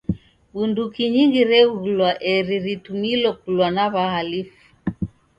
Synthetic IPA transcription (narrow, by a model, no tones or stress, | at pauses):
ɓundukiɲiŋɡiɾɛuɣulwaʔɛɾiɾitumilɔkulwanaβahalifu̥